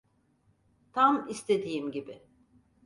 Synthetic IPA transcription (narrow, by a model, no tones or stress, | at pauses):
t̪ʰamist̪ʰe̞d̪ijimɟibɪ